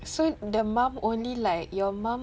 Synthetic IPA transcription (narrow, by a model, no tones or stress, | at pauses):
sodəmãmõnlilaɪkjɔmãm